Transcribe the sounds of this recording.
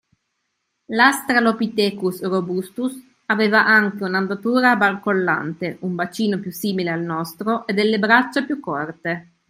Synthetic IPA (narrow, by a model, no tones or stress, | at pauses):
last̪ɾalopit̪ɛːkusrobust̪us | aveːvaʔaŋkeunand̪at̪uːɾabalkolːa̰nt̪eumbat͡ʃiːnopjusːiːmilealnɔst̪ɾoʔed̪ɛlːebɾat͡ʃːapjukːɔrt̪e